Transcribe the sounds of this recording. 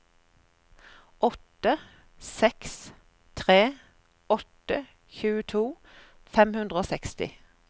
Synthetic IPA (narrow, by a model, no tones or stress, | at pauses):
ʔɔt̪ə | sɛks | t̪ʰʁeː | ɔt̪ə | çʉːət̪ʰuː | fɛmhʉnd̪ʁəoːsɛkst̪ɪ̰